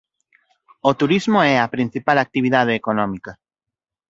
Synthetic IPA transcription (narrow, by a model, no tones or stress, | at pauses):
ot̪uɾizmoɛapɾin̟θipalak̚t̪iβiðað̞eːkonɔmika